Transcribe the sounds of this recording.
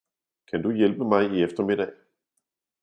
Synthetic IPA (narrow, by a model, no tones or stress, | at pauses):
kʰænd̥ujelb̥əmɑ̈ɪiefd̥ɐme̝ɾɛɪ